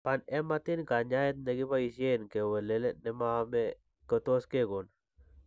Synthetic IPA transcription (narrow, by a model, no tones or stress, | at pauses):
panemat̪inkaɲajet̪̚neɡipaisienkewəlelenemame | kət̪oskeɡon